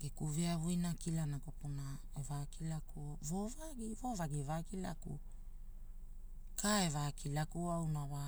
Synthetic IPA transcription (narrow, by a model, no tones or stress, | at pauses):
ɡekuveavujnakilanakopuna | evakilakuovovaɡivovaɡivakilakṵ | kaevakʰilakuawnava